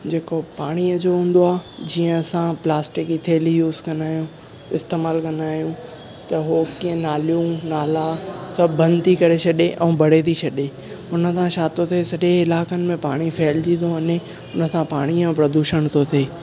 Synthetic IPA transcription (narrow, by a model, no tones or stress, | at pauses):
d͡ʑeːkopaːɽ̃iəd͡ʑoɦũːn̆d̪oaːɦd͡ʑiːə̃sãplaːsʈɪkit̪ʰeːlijuːzkɐ̃naːjũ | ɪst̪eːmaːlkɐ̃naːjũ | t̪ɐɦokiːə̃naːlijũnaːlasɐbbɐ̃nd̪t̪ʰikɐɾet͡ɕʰɐɗeʔɛ̃ːbʱɐɽet̪ʰit͡ɕʰɐɗe | ʊnə̆sãʃaːt̪ot̪ʰesɐɗẽɪlaːkənɪ̆mẽpaːɽ̃ifeːld͡ʑĩːoʋɐɲe | ʊnə̆sãpaːɽ̃iə̃pɾɐd̪uːʃəɽ̃t̪ʰot̪ʰeː